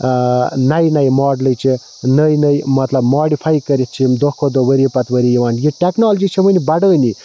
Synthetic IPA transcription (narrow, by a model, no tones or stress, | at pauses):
nɐjnɐjmoːɖləjt͡ʃʰi | nəjnɐjmɐt̪lɐbmaːɖipʰajkəɾit̪̚t͡ʃʰimd̪okʰod̪oʋəɾipɐt̪ʋəɾijiʋaːnjiʈeknoːld͡ʒit͡ʃʰiʋənibɐɖəːni